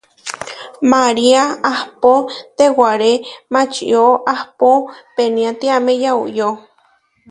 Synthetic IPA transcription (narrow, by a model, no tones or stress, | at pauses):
maɾiaahpot̪ewaɾemat͡ʃiʔj̰oʔahpopeniat̪iamejauʔjo